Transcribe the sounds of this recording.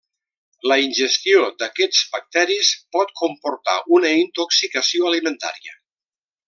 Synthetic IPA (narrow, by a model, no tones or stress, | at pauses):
ləinʲʒəst̪iod̪əkɛd͡zβək̚t̪ɛɾispɔt̪̚kumpuɾt̪a̰ʔunəint̪oksikəsioəlimənt̪a̰ɾiə̰